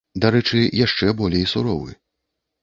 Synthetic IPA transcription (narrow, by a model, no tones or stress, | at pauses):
d̪aɾɛt͡ʂɨjaʂt͡ʂɛbɔlʲejsuɾɔwɨ̰